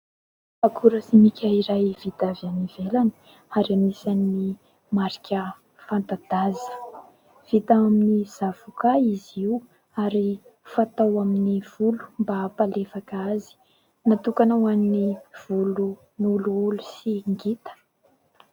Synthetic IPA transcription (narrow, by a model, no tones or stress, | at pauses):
akuɾəsimikʲaiɾajv̥it̪avianivelan̥ | aɾamisanii | maɾikʲə | fant̪ad̪azə̥ | v̥it̪aaminiz̥av̥ukaizi | aɾifat̪awaminiv̥ulu̥mbapalefakazi̥ | nat̪ukanawanniv̥ulu | nuluulusiŋɡit̪ə̥